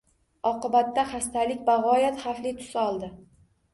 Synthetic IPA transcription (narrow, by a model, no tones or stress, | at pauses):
ɒqɨbat̪ːaχast̪ʰalɪkʲbaʁɒjat̪χaflɪt̪ʰʊ̥sɒlˠd̪ɪ